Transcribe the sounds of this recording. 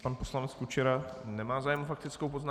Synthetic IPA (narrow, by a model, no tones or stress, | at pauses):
panpo̞slanɛt͡skut͡ʃɛɾanɛmaːzaːjɛmofak̚t̪ɪt͡skowpozna